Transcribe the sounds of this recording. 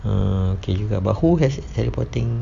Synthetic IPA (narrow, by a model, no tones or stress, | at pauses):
əoked͡ʒuɡabahuɦɛstɛɾipɔt̪ɪŋ